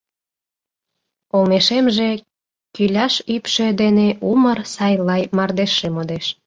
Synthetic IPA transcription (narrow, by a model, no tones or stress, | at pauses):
olmeʃemʒe̽ | kylʲɑʃypʃed̪eneʔumərsɑjlɑjmɑrd̪eʃːemod̪eʃ